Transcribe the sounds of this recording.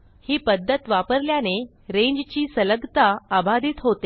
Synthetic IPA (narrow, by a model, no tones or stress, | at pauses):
hiːpəd̪ʱːət̪ʋapəɾljane | ɾeɲd͡ʑt͡ɕiːsələɡt̪aːbʱad̪ʱiːt̪ɦot̪e